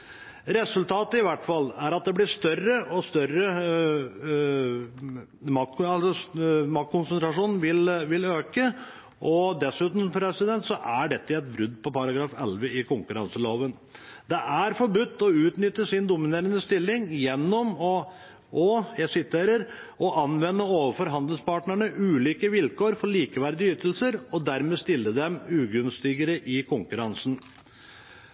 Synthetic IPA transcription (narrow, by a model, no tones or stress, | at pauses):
ɾɛsʉlt̪ʰɑːt̪əɪʋæʈfɑlːæɾɑt̪̚d̪ɛblɪʂt̪œrəʔɔst̪œrə | mɑɑlsɔmɑk̚kʰʊnsənt̪ɾɑʂuːnn̩ʋɪlʋɪløːkə | ʔɔd̪ɛsʉːt̪n̩smpɾɛsɪd̪ɛnt̪sɔʔæɖɛt̪ːəɛt̪̚bɾʉd̪ːpʰɔpɑɾɑɡɾɑːfɛ̰lʋəɪkʊŋkʉɾɑ̰nsəloːʋən | d̪ɛʔæɾfɔɾbʉt̪ːɔʉːt̪nʏt̪ːəʂɪnd̪ʊmɪneːɾənəst̪ɪlːɪŋjɛnːɔmɔ | ʔɔjɛsɪt̪ʰeːɾəɾɔʔɑnʋɛnːəoːʋəfɔɾɦɑnd̪ɪnspɑːʈɳəɳəʔʉːliːkəʋɪlkoːɾfɔɭiːkəʋæɾd̪ɪʏt̪ːəlsəɾɔd̪æɾmeːst̪ɪlːəd̪ɛmʉːɡʉnst̪ɪɡəɾəʔɪkʰʊŋkʉɾɑnsn̩